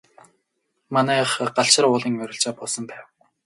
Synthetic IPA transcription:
manæːχɢaɬʃɪ̆rʊːɮiːŋœɾʲɪ̆ɬt͡ɕaːpɔɮsɞ̆mpæːw

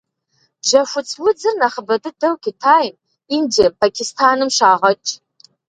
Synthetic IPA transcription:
d͡ʒɐʃʷʊt͡sʰʼwʊd͡zɨrnaχəbɐdɨdɐwkʲʰɪtʰaːjn | indiɐpʰakʲʰɪstʰaːnɨmʃaːʁɐt͡ʃʼ

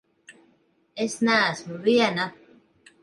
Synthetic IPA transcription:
esnaːsməviana

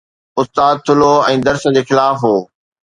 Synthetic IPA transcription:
ʊst̪aːd̪̚t̪ʰʊloɛ̃ːd̪ɐɾsə̆d͡ʑeːxɪlaːfɦoː

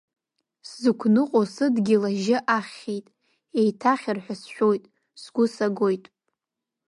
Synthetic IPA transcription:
szɨkʷʰnɨqʼosɨdɡʲɪlaʒɪʔaχʲe̞jtʼ | e̞jtʰaχʲɪrħʷᶣasʃᶣojtʼ | sɡʷʊsaɡo̞jtʼ

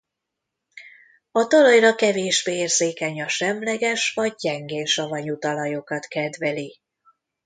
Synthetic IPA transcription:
ɒt̪olɒjrɒkɛveːʒbeːeːrzeːkɛɲɒʃɛmlɛɡɛʃʋɒɟ̚ːɛŋɡeːnʃɒvɒɲut̪ɒlɒjokɒt̪kɛd̪vɛli

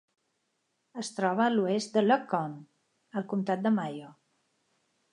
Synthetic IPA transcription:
əst̪ɾɔβəːluest̪̚d̪ələkɔn | əlˠkumt̪at̪̚d̪əmajo

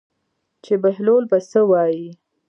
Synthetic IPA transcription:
t͡ʃebaɦlolbasəwɑji

